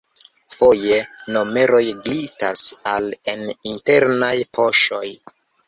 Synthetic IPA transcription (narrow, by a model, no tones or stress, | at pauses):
fo̞jeno̞me̞ɾo̞jɡlitasale̞ninte̞ɾnajpʰo̞ʃo̞j